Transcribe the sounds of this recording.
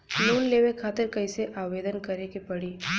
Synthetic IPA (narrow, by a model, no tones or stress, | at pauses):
loːnleːʋekʰaːt̪ɪɾkəɪseʔaːʋeːd̪ənkɐɾekepɐɽiː